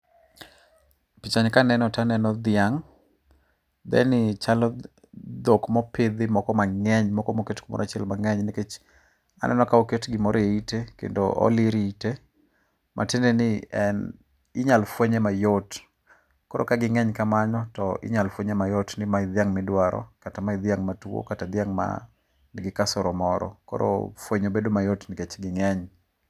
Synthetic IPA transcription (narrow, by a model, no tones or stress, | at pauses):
pit͡ʃaɲkanɛnɔtanɛnɔd̪ɪaŋ | d̪ɛ̰nɪt͡ʃalɔ | d̪okmɔpɪd̪ɪmɔkɔmaŋɛɲmɔkɔmoketkumɔ̰ɾʔat͡ʃɪɛlmaŋɛɲnɪket͡ʃ | a̰nɛ̰nɔkaoketɡɪmɔɾeitekḛndoʔɔ̰lɪɾiite | mʔa̰tendenɪɛn | ɪɲalfweɲɛmajot | kɔɾɔkaɡɪŋɛɲkamaɲɔtɔɪ̰ɲalfweɲɛmajotnɪmaɪd̪jaŋmɪdwaɾɔ̰katamaɪd̪jaŋmatuo̰katad̪jaŋma̰ | nɪɡɪkasɔɾɔmɔɾɔ̰kɔ̰ɾo̰fweɲobedomajotnɪket͡ʃɡɪŋɛɲ